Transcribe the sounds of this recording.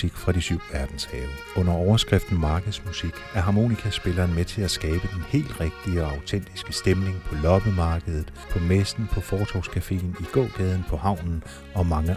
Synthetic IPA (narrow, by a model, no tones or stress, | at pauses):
iɡ̥fʁɑ̈disyʊ̰ʋæɐd̥n̩sɡ̥ɛ̰ːbə | ɔ̽n̰ɐɒʊɐsɡ̥ʁɛfd̥n̩mɑ̈ːɡ̥əð̩ˠsmusiɡ̥æɐɦɑ̈mo̝̰ːnikʰæsb̥e̝lɐːnmet͡sʰe̝læsɡ̥ɛːb̥əd̥enhe̝̰ːld̥ʁɛɡ̥̚d̥iɒɑ̈ʊt͡sʰen̰d̥isɡ̥əsd̥emne̝ŋpʰɒ̽lɒ̽b̥əmɑ̈ːɡ̥əð̩ˠð̩ˠpʰɒ̽mesd̥n̩pʰɒ̽fɒːt͡sʰɒ̰ʊskʰæfe̝̰ːniɡ̥ɔ̰̽ːɡ̥ɛːðˠn̩pʰɒ̽hɑ̈ʊ̰nn̩ | ɒ̽mɑ̈ŋə